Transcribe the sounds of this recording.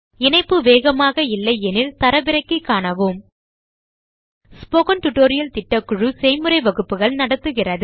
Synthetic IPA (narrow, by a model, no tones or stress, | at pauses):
ɪnɐɪpːɯʋeːɣɐmaːɣɐɪlːɐɪɛnɪlt̪ɐɾɐʋɪɾɐɪkːɯkːaːɳɐʋɯm | spɔɣɐnʈʊʈːoːɾɪjɐlt̪ɪʈːɐkːʊɻɯsɛjmɯɾɐɪʋɐɣɯpːɯɣɐɭnɐɽɐt̪ːɯɣɪrɐðɯ